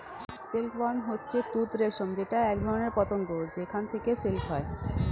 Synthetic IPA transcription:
selpwanɦotːɕʰet̪ut̪ɾeʃomd͡ʑeʈaɛk̚d̪ʱɔɾoneɾpɔt̪oŋɡod͡ʑekʰant̪ʰekeselpɦɔe

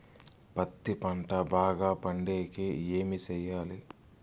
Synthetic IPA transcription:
pɐt̪ːipɐɳʈɐbaːɡaːpɐɳɖeːkeeːmit͡ʃɛjːaːli

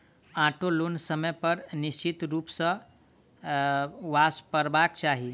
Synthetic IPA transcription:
ãʈʰoloːnsəməjpəɾnist͡ʃit̪ɾuːpsə | ʋaspəɾbakt͡ʃaɦi

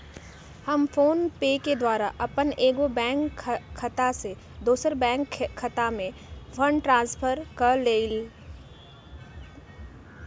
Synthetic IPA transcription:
hɐmfoːnpeːked̪waːɾaʔɐpəneːɡobɛ̃ːŋkʰːɐt̪ase | d̪uːsəɾbɛ̃ːŋkʰːɐt̪amẽfʰəɳɖʈɾãːnspʰəɾkɐɾleːl

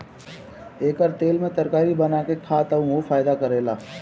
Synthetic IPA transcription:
eːkəɾt̪eːlmẽt̪ɐɾkaːɾibɐnaːkekʰaːt̪aũʋofaːɪd̪akɐɾeːlaː

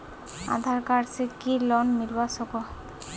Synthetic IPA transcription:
a̰d̪ʱaɾkaɾsʰekilɔnniɾbasoko

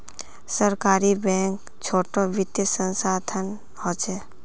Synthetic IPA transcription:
səɾkaːɾibɛ̃ːŋk | t͡ʃʰoːʈoʋɪt̪jəsə̃nsaːd̪ʰʱən | hoːt͡ʃeː

